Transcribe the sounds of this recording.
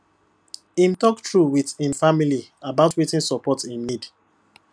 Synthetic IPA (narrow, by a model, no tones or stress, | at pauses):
ĩmtɔktɹuwiðĩnfamiliabaʊtwetĩnsɔpɔtĩnːid